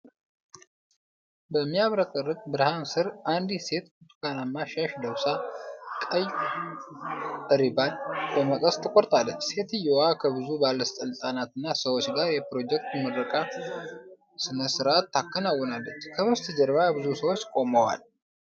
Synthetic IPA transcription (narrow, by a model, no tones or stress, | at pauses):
bəmːijaβɾəkʼɨrːɨkʼbɨɾhansɨɾand̪ise̞t̪ut̪ʼukʼanamːaʃaʃd̪əwsakʼəj | t̪ʼəɾibanbəməkʼəst̪ʰɨkʼo̞ɾt̪ʼalːət͡ʃːse̞t̪ɨjowakʰəbɨzubalːəst̪ʼəlɨsʼanat̪ɨnːasəwo̞t͡ʃːɡaɾjɛpɾo̞d͡ʒɛk̚t̪məd̪ɾəkʼa | sɨnəsɨɾʔat̪ːakːənawːɔnalːət͡ʃːkʰəmɨst̪ʰɨd͡ʒəɾbabɨzusəwo̞t͡ʃːkʼo̞məwa̰l